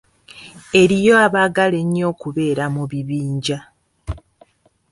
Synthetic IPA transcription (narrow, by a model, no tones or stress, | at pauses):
e̞ɾijo̞aβaɡale̞ɲːo̞ːkuβe̞ːɾamuβiβiːɲɟa